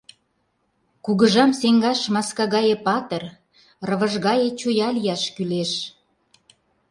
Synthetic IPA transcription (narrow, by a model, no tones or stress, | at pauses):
kuɣəʒɑmseŋɡɑʃmɑskɑɣɑjĕpɑt̪ə̆r | rə̆βə̆ʒɣɑjĕt͡ɕojɑlijɑʃkyleʃ